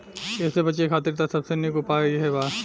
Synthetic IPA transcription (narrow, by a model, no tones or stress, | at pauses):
ɛːsebɐt͡ʃekʰaːt̪ɪɾt̪asɐbsenɪkupaɡɐiɦɛbaː